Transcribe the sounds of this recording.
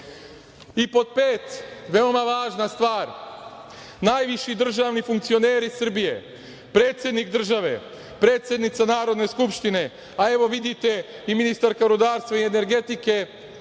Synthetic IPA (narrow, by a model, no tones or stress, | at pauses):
ipo̞t̪̚peːt̪ʋe̞omaʋaːʒnast̪ʋaːɾ | naːjʋiʃid̪r̩ʒaːʋnifuŋkt̪sio̞neːɾisr̩bije̞ | pɾe̞ːt̪sʲjed̪nikd̪r̩ʒaʋe̞̰ | pɾe̞ːt̪sjed̪nit̪sanaːɾo̞d̪ne̞skupʃt̪ine̞ | ae̞ʋo̞ʋid̪it̪e̞iminist̪aɾkaɾud̪aːɾst̪ʋaiene̞ɾɡe̞t̪ike̞